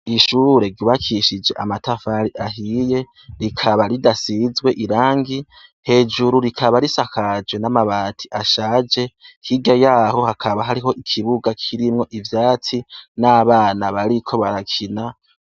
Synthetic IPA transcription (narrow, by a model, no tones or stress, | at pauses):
iʃuːɾe̞ɾɟuβakʰiʃid͡ʒe̞ʔamatʰafaɾiʔaɦije̞ | ɾikʰaβaɾidasizɡwe̞ʔiɾaːŋɡi | he̞ːd͡ʒuɾuɾikʰaβaɾisakʰad͡ʒwe̞namaβaːtʰi̥ʔaʃad͡ʒe̞hiɡajaːho̞hakʰaβaɦaɾiɦo̞ʔikʰiβuɡakʰiɾimŋo̞ʔivjaːt͡sinaːβaːnaβaɾikʰo̞βaɾakʰina